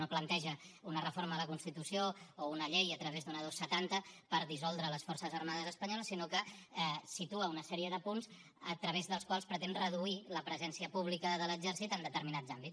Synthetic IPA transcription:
noplənt̪ɛʒəunərəfoɾməðələkunst̪it̪usioːunəʎejət̪ɾəβezd̪unəðosːət̪ant̪əpəɾðisɔlˠd̪ɾələsfɔrsəzərmaðəzəspəɲɔləsːinokəsit̪uəunəsɛɾiəðəpunz | ət̪ɾəβ̞ezðəlˠskwalˠspɾət̪ɛnrəðuiləpɾəzɛnsiəpuβlikəðələɡzɛɾsit̪ənd̪ət̪əɾminazambis

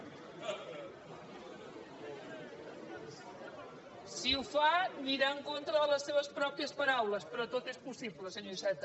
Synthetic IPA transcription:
siufaniɾaəŋkont̪ɾəðələsːeβ̞əspɾɔpiəspəɾawləspɾɔt̪ot̪espusiβləsəɲosɛt̪

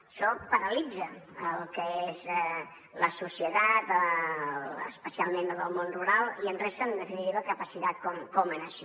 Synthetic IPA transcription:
əʃɔpəɾəlid͡zəəlˠkəezɛ | ləsusiət̪at̪ə | ə̰spəsialˠmenələlˠmonruɾalˠiənresənd̪əfinit̪iβəkəpəsit̪at̪̚kɔmkɔmənəʃi

